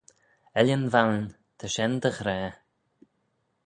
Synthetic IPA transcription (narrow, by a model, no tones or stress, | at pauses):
ɛljənvawn | t̪ʰəʃɛnd̪əxɾɛː